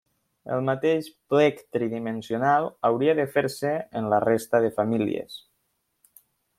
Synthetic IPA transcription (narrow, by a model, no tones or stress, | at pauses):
ə̰lˠmat̪eʃplɛkt̪ɾiðimənsiunalˠawɾiaðəfeɾsəənlarest̪aðəfamilḭḛs